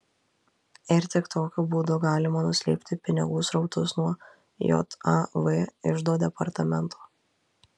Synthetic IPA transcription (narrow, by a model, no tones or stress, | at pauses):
ɪɾt̪ʲɪkt̪oːkʲʊbuːd̪oːɡɑːlʲɪmɐnʊsʲlʲḛpʲt̪ʲɪpʲɪnʲɪ̰ɡuːsɾɒʊt̪ʊsnuɔ | jo̰t̪ɐʋeɪʒd̪oːd̪ʲɛpɐɾt̪ɐmʲɛnt̪ʰo̥ː